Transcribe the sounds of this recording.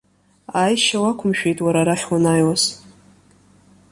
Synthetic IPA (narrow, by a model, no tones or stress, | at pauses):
ajʃawakʷʰʊmʃᶣejtʼwaɾaɾaχʲwanaːjwas